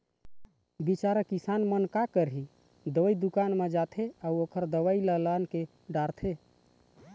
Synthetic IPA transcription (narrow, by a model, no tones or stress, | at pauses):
bit͡ʃaɾəkisanmənkakəɾɦi | d̪oid̪ukanmed͡ʒat̪ʰeauokʰəɾd̪əʋailəlanke | ɖaɾt̪ʰe